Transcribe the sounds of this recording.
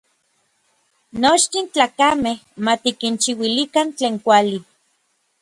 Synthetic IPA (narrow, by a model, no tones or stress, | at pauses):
not͡ʃt̪int͡ɬaːkameh | mat̪ikint͡ʃiwilikant͡ɬeːŋkʷali